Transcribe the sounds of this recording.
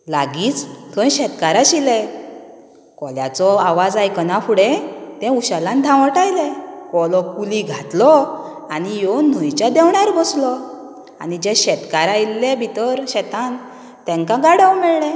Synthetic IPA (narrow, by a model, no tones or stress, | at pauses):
laɡiːt͡st̪ʰɔ̃jɕɛt̪kaɾaɕilɛ | kɔlja̰t͡sɔaʋad͡zajkənafuɽẽt̪ɛ̃uɕalãnd̪ʱãʋəʈajlekɔlɔkuliɡʱat̪lɔ | anijɔn̤ɔjt͡ɕad̪ɛwɳaɾbɔslɔ | a̰nid͡ʑeɕɛt̪kaɾajilːebʱit̪əɾɕɛt̪an | t̪ɛ̃ŋkãɡaɽəwmɛɭɳɛ